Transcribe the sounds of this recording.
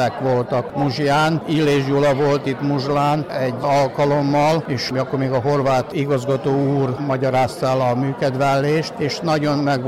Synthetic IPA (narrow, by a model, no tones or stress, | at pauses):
ɛkʋo̞lt̪ɒkmuʒjaːnilːeːʒjulɒʋo̞lt̪it̪muʒlaːnɛɟːɒlkɒlo̞mːɒleːʃjɒkːormeːɡɒɦo̞rʋaːt̪iɡɒzɡɒt̪oːuːrmɒɟɒɾaːst̪ɛlɒmyːkɛd̪ʋɛlːeːʃt̪eːʃnɒɟo̞nmɛɡ